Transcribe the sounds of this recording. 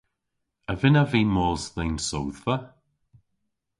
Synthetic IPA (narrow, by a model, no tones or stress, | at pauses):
əvɪnaviːmɔːlzðejnsowðvə